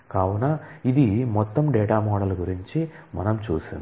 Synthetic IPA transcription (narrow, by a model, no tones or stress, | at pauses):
kaːwunaid̪imɔt̪ːɐmɖɛːʈaːmɔːɽɐlɡuɾiɲt͡ʃimɐ̰nɐmt͡ʃuːsind̪